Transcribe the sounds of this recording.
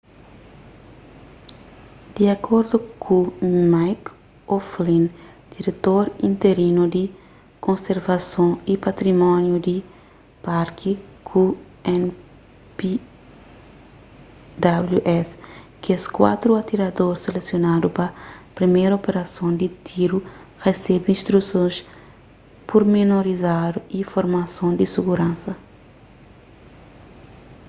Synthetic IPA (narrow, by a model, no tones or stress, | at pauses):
d̪̥iɐkʰoɾd̪ukʰumajk | oflĩnd̪̥iɾet̪oɾĩnt̪eɾinud̪i | kõnseɾvɐsõipɐt̪ɾimɔ̃njud̪i | paɾkʰikʰu | ɛn | pi | d̪abluʔɛskeskwa̰t̪ɾuɐt̪iɾɐd̪oɾselesjonad̪upɐpɾimejɾɐopeɾɐsõnd̪it̪ʰiɾuʁesɛbĩnst̪ɾusõs | puɾminoɾizad̪uifoɾmɐsõnd̪isiɡuɾãnsɐ